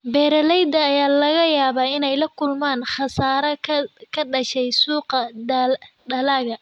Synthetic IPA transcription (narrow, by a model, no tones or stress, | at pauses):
bɛːɾɐlɛjd̪ɐːjaːlɐɣɐjaːβaːɪnɛjlɐkʰʊlmaːnħɑsaːɾɐkʰɐɖɐʃɛjsuːqɐ | ɖɐlaːɣɐ